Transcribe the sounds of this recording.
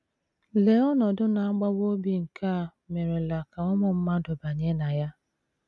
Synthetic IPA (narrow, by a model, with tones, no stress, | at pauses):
le˨ɔ˦nɔ˨dʊ˦na˨a˦ɡ͡ba˦wo˦bi˦ŋ̩˨kʰa˦˨ | me˨ɾe˨la˨ka˨ɔ˦mʊ˨m̩˦ma˦dʊ˨ba˨ɲe˦na˨ja˦